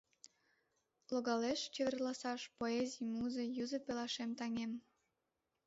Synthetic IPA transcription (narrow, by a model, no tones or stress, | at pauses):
loɣɑleʃt͡ɕeβerlɑsɑʃpoezʲijmuzejuzəpelɑʃemt̪ɑŋem